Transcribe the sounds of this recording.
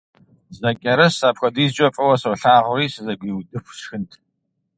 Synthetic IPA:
zɐkʲʼɐɾɐsaːpxʷɐdiːzd͡ʒʼɐfʼɐwɐsɐwɬaːʁʷʊriːsɨzɐɡʷiːwdɨxʷʂxɨntʰ

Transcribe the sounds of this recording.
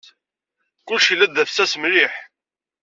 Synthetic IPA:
kʊlʃilːæd̪æfsæsmɾiħ

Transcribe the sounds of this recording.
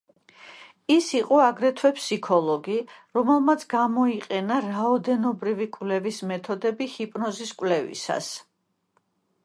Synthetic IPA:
isiqʼɔaɡɾɛt̪ʰwɛpʰsikʰɔlˠɔɡiɾɔmɛlˠmat̪sʰɡamɔiqʼɛnaɾaɔd̪ɛnɔbɾivikʼwlɛvismɛt̪ʰɔd̪ɛbihipʼnɔziskʼwlɛvḭsa̰s

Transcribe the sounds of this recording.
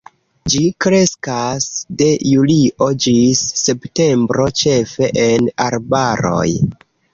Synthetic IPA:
d͡ʒikɾe̞skasde̞juliʔo̞d͡ʒisːe̞pte̞mbɾo̞t͡ʃe̞fe̞ʔenaɾbaɾo̞̰j

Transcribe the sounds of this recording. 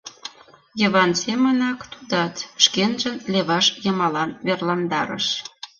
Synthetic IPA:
jəβɑnsemənɑkt̪ud̪ɑt̪ʃkenʒənleβɑʃjə̆mɑlɑnβerlɑnd̪ɑɾə̰ʃ

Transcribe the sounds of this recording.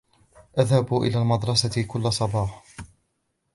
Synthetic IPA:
ʔaðhabuʔɪ̰laːlmɑd̪ɾˤɑsakʊlːasˤɑbɑːħ

